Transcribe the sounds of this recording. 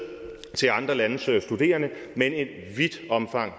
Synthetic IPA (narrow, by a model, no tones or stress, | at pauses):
t͡sʰe̝lɑ̈nd̥ʁɐlænəssd̥ud̥e̝̰ːɐnəmene̝d | ʋid̥ɒ̽mfɑ̈ŋ̰